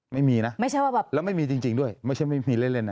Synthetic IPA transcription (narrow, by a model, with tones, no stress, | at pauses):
ma˥˩jmiː˧na˦˥ʔma˥˩jt͡ɕʰa˥˩waː˥˩bɛː˨˩p̚lɛː˦˥wma˥˩jmiː˧t͡ɕi˧ŋt͡ɕi˧ŋdu˥˩əjma˥˩jt͡ɕʰa˥˩ma˥˩miː˧le˥˩nle˦˧˩nːa˦˩